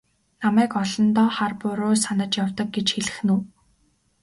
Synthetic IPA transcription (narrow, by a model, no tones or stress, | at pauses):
namæːkɔɮɞ̆nt̪ɔːχarpʊɾoːsanə̆t͡ɕjawt̪ɞ̆k̚ɡet͡ɕxeɮɘ̥̆xnuː